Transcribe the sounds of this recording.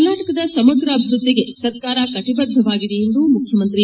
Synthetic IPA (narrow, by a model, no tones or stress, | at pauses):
lnːaːʈɐkɐd̪ɐsɐmɐɡɾɐːbʱiɾud̪ːiɡe̞sɐɾkaːɾɐkɐʈibɐd̪ʱːɐʋaːɡid̪ejend̪umukʰjɐmɐnt̪ɾi